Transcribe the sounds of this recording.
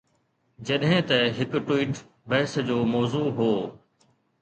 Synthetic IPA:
d͡ʑɐɗɦɪ̃t̪ɐɦɪkʈʊwiːʈ | bɐɦɪsd͡ʑoːmɔːzuːɦoː

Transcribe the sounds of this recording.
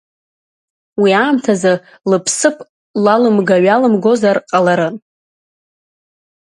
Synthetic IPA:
wiaːmtʰaza | lɨpʰsɨpʰʼ | lalɨmɡaɥalɨmɡo̞zarqʼalaɾɨ

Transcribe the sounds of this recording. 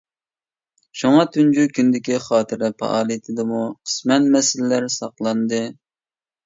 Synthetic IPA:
ʃuŋɑt̪ʰynd͡ʒukʲynd̪ɪkʲiχɑːt̪ʰɨɾɪpɑ̰ʔɑːlˠɨjt̪ʰɪd̪ɨmuqʰə̥smɛnmɛsɪlɪːæɾsɑqlˠɑnd̪ɨ

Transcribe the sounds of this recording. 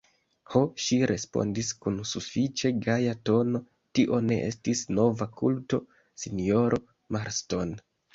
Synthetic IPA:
ho̞ʃiɾʔe̞spo̞̰ndiskunsufit͡ʃe̞ɡajato̞no̞ | tiʔo̞ne̞̰ʔe̞stisno̞vakṵlto̞ | sinio̞ɾʔo | maɾsto̞n

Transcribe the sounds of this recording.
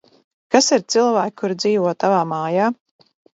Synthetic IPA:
kasiɾt̪silˠvæːkkʰːuɾd̪ziːvɔt̪avaːmaːjaː

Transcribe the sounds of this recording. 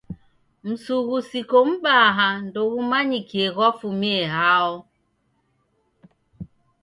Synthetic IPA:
m̩suɣusikom̩ɓaɦandoɣumaɲikieɣɔfumieɦaɔ

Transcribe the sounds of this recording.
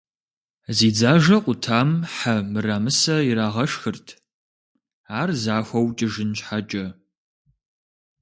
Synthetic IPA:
ziːd͡zaːʒɐqʷʼʊtʰaːmħamɨraːmɨsɐiɾaːʁɐʂxɨrtʰ | aːrzaːxʷɐwt͡ʃʼɪʒɪnt͡ʃħat͡ʃʼɐ

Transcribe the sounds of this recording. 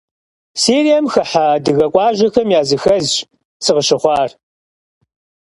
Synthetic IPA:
siːɾijɐmxɐħaːdɨɣɐkʷʼɑːʒɐxɐmjaːzɨxɐz | sʰɨʁəɕɪχʷɑːr

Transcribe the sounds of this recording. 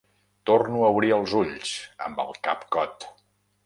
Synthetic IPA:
t̪ornuəuβɾiəlˠzuʎsə̰mbə̰lˠkapkɔt̪

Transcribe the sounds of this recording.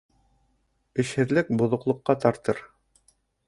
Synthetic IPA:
ɘ̆ʃhɘ̆ðlɘk̚bŏðŏqlˠŏqːɑt̪ɑɾt̪ɤɾ

